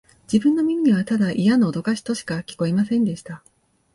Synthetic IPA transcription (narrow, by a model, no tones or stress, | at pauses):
d͡ʑ̥ibɯ̟̃nːo̞mʲimʲiɲ̟iβ̞at̪ad̪aʔijano̞ːd̪o̞kaɕi̥t̪o̞ɕi̥kakʲi̥ko̞imasẽ̞nd̪e̞ɕi̥t̪a